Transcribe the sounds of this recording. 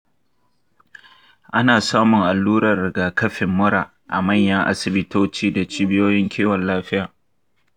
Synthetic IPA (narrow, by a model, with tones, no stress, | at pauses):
ʔa˦naː˨saː˦mʊ˨ŋʔa˨lːuː˦ɾɐ˨rːɪ˨ɡaː˨kɐ˦ɸɪ˨mːʊ˦ɾaː˨ | ʔa̰˨mɐ˦˨ɲjɐ˦ŋʔa̰˦sɪ˨bɪ˦toː˦t͡ʃiː˦da˨t͡ʃiː˦bɪ˦joː˦jɪ˦ŋkʲʰeː˦wɐ˨nlaː˦ɸɪ˦jaː˨